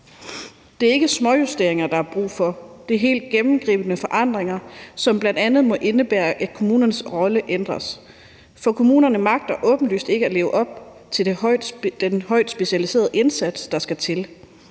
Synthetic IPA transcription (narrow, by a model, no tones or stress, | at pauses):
d̥e̝æɐe̝ɡ̥əsmɒ̽jusd̥e̝ɐ̰eŋɐd̥ɑ̈hɑ̈b̥ʁṵːfɒ̽d̥e̝ɐɦe̝̰ːld̥̚ɡ̥emm̩ɡ̥ʁḭːb̥ənəfɒ̽ʔɑ̈n̰d̥ʁeŋɐsɒ̽mb̥lænd̥ænð̞̩ˠmɒ̽ʔe̝nəb̥æːɐʔæd̥kʰo̝muːnɐnəsʁɒ̽ləʔend̥ʁɐs | fɒ̽kʰo̝muːnɐnəmɑ̈ɡ̥̚d̥ɐʔɔ̽ːb̥n̩dly̰ːsd̥e̝ɡ̥əæle̝ːʊəʔɒ̽b̥̚ | t͡sʰe̝ | d̥enhɒ̽ɪ̰d̥sb̥e̝ɕælise̝ːɐð̞̩ˠe̝nsæd̥sd̥ɑ̈sɡ̥æt͡sʰe̝l